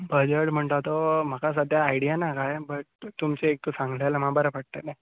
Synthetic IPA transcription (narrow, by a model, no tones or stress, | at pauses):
bʱəd͡ʑəʈm̤əɳt̪at̪ɔmakasəd̪ʱjaːjɽijanakajbəʈ̚t̪umt͡seːk̚t̪osãŋɡlalamabəɾəpəɽ̚t̪ane